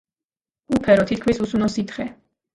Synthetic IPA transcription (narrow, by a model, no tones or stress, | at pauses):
upʰɛɾɔt̪ʰit̪̚ʰkʰmisusunɔsit̪χɛ